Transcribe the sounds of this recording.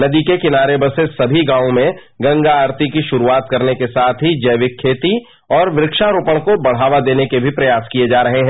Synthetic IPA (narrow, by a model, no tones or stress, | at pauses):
nɐd̪ikekɪnaːɾebɐsesɐbʱiɡãːõmẽɡɐ̃ŋɡaaːɾt̪ikiʃʊɾuaːt̪̚kɐɾnekesaːt̪ʰɦid͡ʒɐːʋɪkʰːeːt̪i | ɔːɾʋɪɾɪkʃaɾuːpəɽ̃kobɐɽ̤aːʋad̪eːnekebʱipɾɐjaːskijed͡ʒaːɾɐɦeɦɛ̃